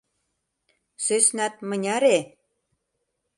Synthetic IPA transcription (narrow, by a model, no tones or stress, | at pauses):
søsnæt̪̚mə̆nʲɑɾe